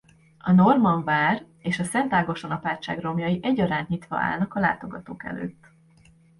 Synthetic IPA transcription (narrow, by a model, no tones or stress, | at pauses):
ɒno̞rmɒɱvaːr | eːʃɒsɛnt̪aːɡo̞ʃonɒpaːt͡ʃːaːɡro̞mjɒjiʔɛɟːɒɾaːnt̪ɲit̪ʋɒ̰a̰ːlnɒkɒla̰ːt̪o̞ɡɒt̪oːkɛ̰lø̰ːt̪ː